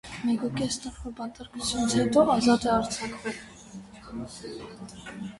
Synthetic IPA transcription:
mɛkukɛsnəɾfɔbɑnt̪əɾkut͡sʰjunət͡sʰhɛt̪ɔɑzɑt̪ɛɑɾt͡sʰɑkvɛl

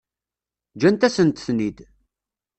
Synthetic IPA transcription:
d͡ʒænt̪æsənt̪θnid̪

